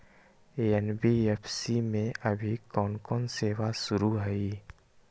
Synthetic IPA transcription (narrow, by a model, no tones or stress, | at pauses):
eɛnbiɛpʰsimẽʔəbʱikɔːnkɔːnseːwasʊɾuɦɛiː